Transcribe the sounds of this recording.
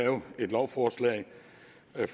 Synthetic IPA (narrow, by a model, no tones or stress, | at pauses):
ɛːʊe̝d̥lɒʊfɒːslɛ̰ɪ | f